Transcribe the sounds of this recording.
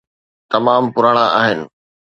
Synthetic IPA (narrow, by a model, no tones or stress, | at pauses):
t̪ɐmaːmpʊɾaːɽ̃ãʔaːɦɪnɪ̆